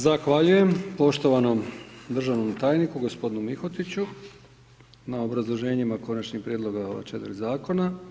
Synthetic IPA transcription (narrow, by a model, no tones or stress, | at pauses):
zaxʋaʎuje̞mpo̞ʃt̪o̞ʋano̞md̪r̩ʒaʋno̞mt̪aːjnikuɡo̞spod̪inumixot̪it͡ɕu | nao̞bɾazlˠo̞ʒe̞ːɲimako̞nat͡ʃɲixpɾjed̪lˠo̞ɡa̰t͡ʃet̪ɾzaːko̞na